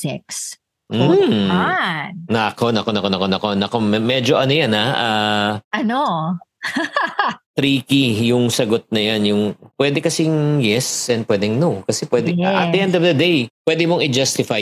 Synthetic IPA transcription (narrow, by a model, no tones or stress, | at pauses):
sɛks | m̩ | nɐʔɐkonɐko̞nɐkonɐko̞nɐkonɐko̞mɛmɛd͡ʒo̞ʔɐnojanhaʔaʔɐno | t̪ɾiːkijʊŋsɐɡot̪̚nɐjanjʊŋpwɛːd̪ɛkɐsiŋjɛsʔɛnd̪̚pwɛd̪ɛŋnokɐsɛpwɛːd̪ɛʔɐ̰t̪̚ɪʔɛnd̪ɔvd̪ɐd̪ejpwɛːd̪ɪmoŋɪd͡ʒast̪ɪfaj